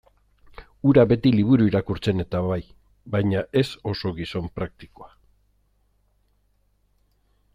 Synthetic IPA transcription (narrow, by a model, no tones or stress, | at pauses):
uɾaβe̞t̪iliβ̞uɾuiɾakuɾt͡se̞ne̞t̪aβaj | βajɲaʔe̞so̞so̞ɣiso̞mpɾak̚t̪i̥ko̞a